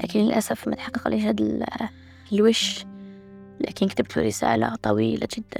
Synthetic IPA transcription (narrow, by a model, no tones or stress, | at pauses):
læ̰kənləlʔæsəfmæt̪ħɑqːɑqa̰lːiʃhæd̪l | lwɪʃ | læ̰kənk̚t̪əb̚t̪ʰṵɾisa̰ʕla̰t̪ˤɑwiːlaʒɪd̪ːæ̰n